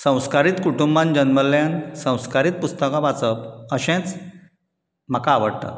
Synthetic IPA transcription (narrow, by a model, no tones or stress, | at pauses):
sə̃w̃skaɾiːt̪kuʈumbãnd͡ʑənməljãnsə̃w̃skaɾiːt̪̚pust̪əkãbat͡səpəɕẽt͡s | m̤akaːʋəɽt̪a̰